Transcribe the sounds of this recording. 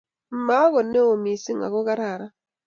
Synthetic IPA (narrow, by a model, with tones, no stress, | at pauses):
m̩˦ma˦ɣɔ˨ne˦o˨mi˨si˦ŋa̰˨kɔ˦ka˦ɾa˨ɾa˦